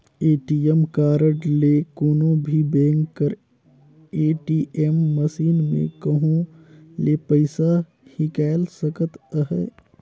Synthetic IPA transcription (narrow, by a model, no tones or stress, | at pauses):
eːʈiːemkaːɾəʈleːkoːnõbʱibẽːŋɡəɾ | eːʈiːʔemːəsiːnmḛ̃kəɦõleːpəɪsa | hikaːɪlsəkət̪əɦɛ̰ː